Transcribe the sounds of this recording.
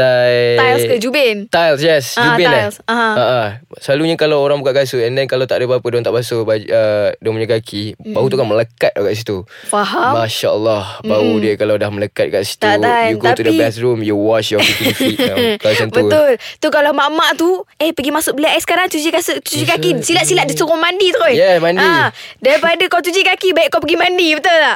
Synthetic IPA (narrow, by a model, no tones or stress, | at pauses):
t̪at̪ajlskəd͡ʒubɛnt̪ajlsjɛsd͡ʒubɛasãaʔasəlaluɲakalawoɾaŋbukaʔɡasuɛndɛnkalawt̪aʔdəpaapədoant̪aʔbasubaədoŋmuɲəkakʰibaɦut̪ukanmələkat̪̚aɡaʔs̬it̪u | faɦamaʃaəlːɔhbaɦudiəkaladahmələkat̪̚kaʔsi̥t̪at̪ajukt̪audəilasɾumjuwɔt͡ʃjɔifinakasənb̪əut̪ʊlt̪ukalamaʔmaʔt̪uehpəɡimasʊʔ̚bəlaʔasə̥kaɾaŋt͡ʃud͡ʒikast͡ʃud͡ʒikakisilat̪ʔ̪silaʔ̪̚disuɣumandit̪ojɛmãndidaɾipadakawt͡ʃud͡ʒikakibaiʔkːawpəɡimandibət̪ʊla